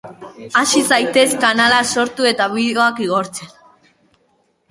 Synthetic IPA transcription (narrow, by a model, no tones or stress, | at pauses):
asisajt̪e̞skanalaso̞ɾt̪ue̞t̪aβiðeo̞akiɣ̞o̞ɾt͡se̞n